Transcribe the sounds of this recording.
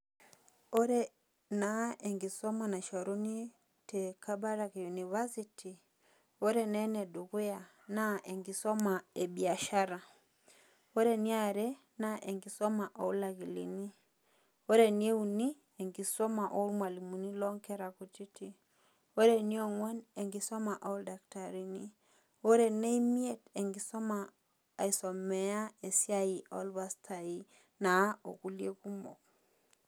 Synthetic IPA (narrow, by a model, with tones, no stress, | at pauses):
ɔɾɛ | naɛ˨ŋɡi˨sɔmana˨ʃɔ˨ɾu˦ni˦ | tɛkaba˦ɾakijunivasiti | ɔ˦ɾɛnɛnɛdu˨ɣu˦ja˨ | naʔɛ˨ŋɡi˨sɔ˦maɛbia˨ʃa˦ɾa | ɔ˦ɾɛni˦aɾɛ | naʔɛŋɡisɔmaʔɔ˨u˦laɣi˨lḭni˦ | o˦ɾe˨n˦e˦u˨ni˦ | e˨ŋɡi˨sɔ˦ma˨ʔo˦lmwa˨li˨mu˨ni˦lɔ˦ŋkɛ˦ɾa˨ku˨t͡ʃi˦ti˦ | o˦ɾe˨ni˦o˦ŋwa˦ne˨ŋɡi˨sɔ˦ma˨ʔa˨u˦lda˨kta˨ɾi˦ni˦ | o˦ɾe˨ne˦i˦mi˦e˦te˨ŋɡi˨sɔ˦maː˨ | i˨sɔ˨mɛ˨a˦e˨sja˦i˨o˦lba˦stʰa˨i˦ | na˨˦o̰˨ku˨lje˦ku˦mo̰˨k̚